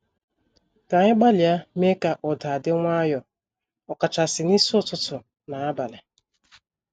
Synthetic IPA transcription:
ta˨ɲɪ˦ɡ͡ba˦lja˦me˦ka˨ʔɔ˨da˨dɪ˦ŋʷa˦jɔ˨ | ɔ˨ka˨t͡ʃa˨sɪ˨ni˦sʊ˦tʊ˦tʊ˨ | na˨a˦ba˨le˨

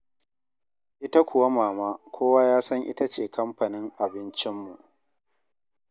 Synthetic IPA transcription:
ʔɪ˦ta˦kʷʊ˨wa˦maː˨maː˦kʷʰoː˦waː˦jaː˦sɐ˦ŋʔɪ̰˦ta˦t͡ʃeː˨kʰɐ˦mɸa˨nɪ˦ŋʔa˨bɪ˦nt͡ʃɪ˦mːṵ˨ʔ

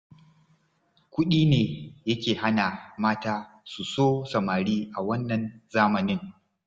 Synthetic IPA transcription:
kʷʊ˦ɗiː˦neː˨jɐ˦kʲeː˨ha˦na˨maː˦taː˦ | su˨soː˦sɐ˨maː˨ɽiː˦ʔa˨wɐ˦nːɐ˨nzaː˦mɐ˨nɪ˦ŋ

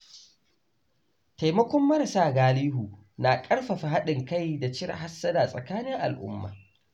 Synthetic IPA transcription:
ta˨jmɐ˦kʷɔ˦mːɐ˦ɾɐ˨saː˦˨ɡaː˨˦liː˦ɦuː˨ | na˨kʼɐ˦ɽɸa˨ɸa˨ɦa˦ɗɪ˨ŋka˦˨jda˨t͡ʃɪ˦ɾ̰ha˦sːɐ˦da˨sʼɐ˨kaː˦nɪ˦ŋʔa̰˨lʔʊ̰˦mːa̰ː˨

